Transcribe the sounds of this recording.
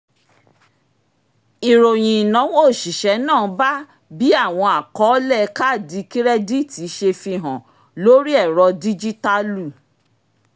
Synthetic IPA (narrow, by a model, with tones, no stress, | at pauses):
i˨ɾo˨j̃ĩ˨i˨nã˨˦wo˦˨ʃi˨ʃɛ˨˦nãː˦˨˦ba˦ | bi˦a˦˨w̃ɔ̃˧a˨kɔ˨˦lɛ˦˨˧ka˦˨di˨˦ki˦ɾɛ˦di˦˨ti˨˦ʃe˧fi˧ɦã˨ | lo˦ɾi˦ɛ˦˨ɾɔ˧di˦d͡ʒi˦ta˦lu˦˨